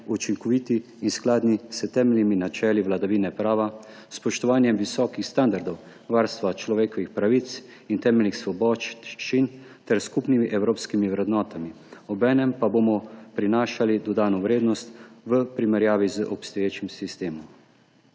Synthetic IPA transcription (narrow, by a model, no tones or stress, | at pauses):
ut͡ʃiŋkɔʋiːt̪iː | nsklaːd̪nisət̪ɛːmɛlniminat͡ʃɛːliʋlad̪aʋiːnɛpɾaːʋa | spɔʃt̪ɔʋaːnjɛmʋisɔːkixst̪and̪aɾd̪ɔw | ʋaːɾst̪ʋat͡ʃlɔʋeːkɔʋixpɾaʋit̪s | int̪ɛːmɛlnixsʋɔbɔːt͡ʃin | t̪ɛɾskupnimiʔɛwɾoːpskimiʋɾɛd̪nɔːt̪ami | ɔbɛːnɛmpaboːmɔpɾinaːʃalid̪ɔd̪aːnɔʋɾeːd̪nɔst̪ʋəpɾimɛɾjaːʋizəʔɔpst̪ɔjeːt͡ʃimsist̪eːmɔm